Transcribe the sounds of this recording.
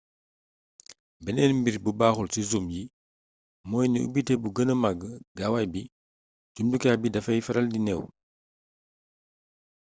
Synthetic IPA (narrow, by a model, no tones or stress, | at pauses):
bɛnɛːnmbiɾbubaːxulsizumji | mɔːjniṵbitɛbuɡənəmaɡəɡawajbi | d͡ʒumdukakbidɐfɐjfɐɾɐldinɛw